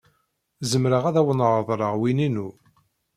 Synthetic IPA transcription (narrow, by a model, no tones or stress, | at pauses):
zəmɾəʁæðæwənʁðˤɾˤəʁwininu